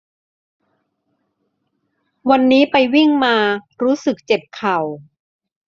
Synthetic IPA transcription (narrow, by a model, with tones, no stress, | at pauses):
wa˧nːiː˦˥pa˧jwi˥˩ŋmaː˧ɾuː˦˥sɯ˨˩k̚t͡ɕe˨˩p̚kʰa˨˩w